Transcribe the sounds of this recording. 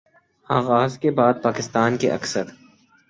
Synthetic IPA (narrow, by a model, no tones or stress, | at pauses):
aːɣaːzkebaːd̪̚paːkɪst̪aːnkeʔɐ̰ksəɾ